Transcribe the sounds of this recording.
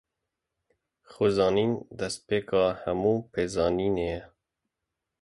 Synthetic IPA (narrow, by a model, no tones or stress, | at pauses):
xozɑːniːnd̪ɛspeːkɑːhɛmuːpʰeːzɑːniːnejɛ